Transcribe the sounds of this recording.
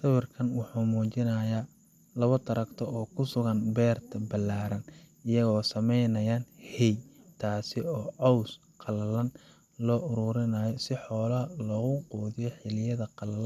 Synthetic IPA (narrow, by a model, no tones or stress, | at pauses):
sɐwɐrkʰɐnwɑħuːmuːt͡ʃɪnɐːja | lɐβɐt̪ʰɐɾɐkt̪ʰɔɔːkʰʊsʊɣɐnbɛːrt̪ʰɐbɐlːaːɾɐnɪjɐɣɔːsɐmɛjnɐjaːnhɛjt̪ʰaːsɪɔːʕɑws | qɑlɐlɐn | lɔːʔʊɾʊɾɪnaːjɔsɪħɔːlɐlɔːɣʊqɔːðɪjɔħɪlɪjɐðɐqɑlɐlɐ